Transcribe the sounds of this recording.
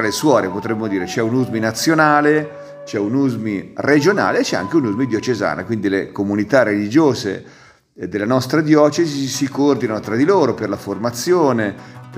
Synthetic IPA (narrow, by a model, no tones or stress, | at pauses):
aleswɔːɾepot̪ɾɛmːod̪iːɾet͡ʃɛunuzminat̪sːjonaːle | t͡ʃɛunuzmired͡ʒona̰ːleːt͡ʃːɛa̰ŋk̟eunuzmid̪jot͡ʃeza̰ːna̰kwind̪ilekomunit̪arelid͡ʒoːzḛ | d̪elːanɔst̪ɾad̪jɔːt͡ʃezisikoord̪inanot̪ɾad̪iloːɾoperlaformat̪sːjoːnep